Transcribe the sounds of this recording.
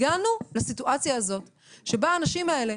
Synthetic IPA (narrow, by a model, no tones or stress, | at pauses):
ɡanulasituʔat͡sjaːzo̞t̪ | ʃe̞baːnaʃimae̞le̞